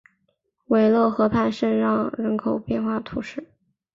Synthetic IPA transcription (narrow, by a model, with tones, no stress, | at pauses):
we˨˩ɪlwɔ˥˩ʊxɤ˧˥pʰa˥˧nʂə˥˧nɻɑ˥˩ŋɻə˧˥nkʰo˨˩ʊpjɛ˥˧nxwa˥˩t̪ʰu˧˥ʂɻ̩˥˩